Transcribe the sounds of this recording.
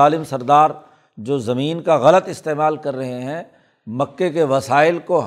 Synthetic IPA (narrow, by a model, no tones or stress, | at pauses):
aːlɪmsɐɾd̪aːɾ | d͡ʒoːzɐmiːnkaɣɐlət̪ɪst̪eːmaːlkɐɾːɐɦeɦɛ̃ | mɐkːekeʋɐsaːɪlkoɦ